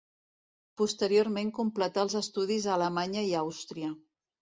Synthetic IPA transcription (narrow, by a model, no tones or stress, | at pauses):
pust̪əɾioɾmeŋkumplət̪aəlˠzəst̪uð̞izələmaɲəiawst̪ɾiə